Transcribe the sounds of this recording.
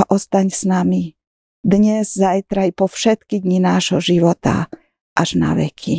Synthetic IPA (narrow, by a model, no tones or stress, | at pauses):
aʔɔst̪aɲsnami | d̪ɲɛzzajt̪ɾajpɔfʃɛt̪kid̪ɲinaːʒɦɔʒiʋɔt̪a̰ | ʔaʒ̥na̰ʋɛ̰kʰi